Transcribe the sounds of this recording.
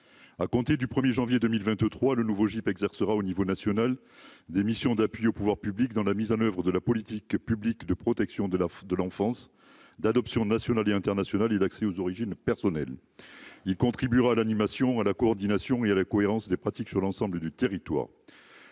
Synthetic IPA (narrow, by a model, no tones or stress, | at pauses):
akɔ̃t̪ed̪ypχəmjeʒɑ̃vjed̪əmilvɛ̃t̪t̪χwalənuvoʒipɛɡzɛʁsəʁaonivonasjɔnal | d̪emisjɔ̃d̪apɥiopuvwaʁpyblik̚d̪ɑ̃lamizɑ̃nœvʁəd̪əlapɔlit̪ikpyblikd̪əpχɔt̪ɛksjɔ̃d̪d̪əlɑ̃fɑ̃s | d̪ad̪ɔpsjɔ̃nasjɔnaleɛ̃t̪ɛʁnasjɔnaled̪aksɛozɔʁiʒinpɛʁsɔnɛl | ilkɔ̃t̪χibyʁaːlanimasjɔ̃alakɔɔʁd̪inasjɔ̃ealakɔeʁɑ̃sd̪epχat̪iksyʁlɑ̃sɑ̃bləd̪yt̪eʁit̪wa̰ːʁ